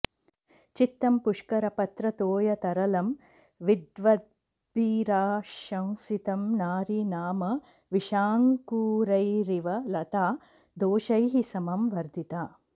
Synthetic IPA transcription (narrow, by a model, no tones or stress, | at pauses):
t͡ʃit̪ːɐmpuʂkɐɾɐpɐt̪ɾɐt̪oːjɐt̪ɐɾɐlɐm | ʋid̪ʋɐd̪̚ | biːɾaːʃɐ̃w̃sit̪ɐmnaːɾinaːmɐ | ʋiʃaːŋkuːɾɐjɾiʋɐlɐt̪aː | d̪oːʃɐjɦisɐmɐmʋɐɾd̪ʱit̪aː